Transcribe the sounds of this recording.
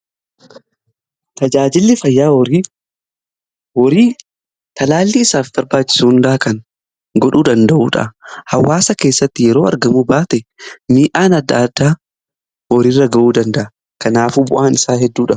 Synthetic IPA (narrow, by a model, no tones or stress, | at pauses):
t̪ɐd͡ʒaːd͡ʒɪlːɪfɐjːaːi | wɔɾiː | t̪ɐlaːlːiɪsaːfbɐɾbaːt͡ʃːɪ̥suːʊnd̪ɐʔakɐŋ | ɡɔᶑuːd̪ɐnd̪ɐʔuːᶑɐ̰ʔhɐwːaːsɐke̞ːsːɐt̪ːɪjɛɾo̞ːɐ̰ɾɡɐmuːbaːt̪ɛmiːʔaːnɐd̪ːad̪ːaː | wɔɾirːɐɡɐʔuːd̪ɐnd̪ɐʔɐ | kɐnaːfuːbʊʔaːnɪsaːɦɛd̪ːuːᶑɐ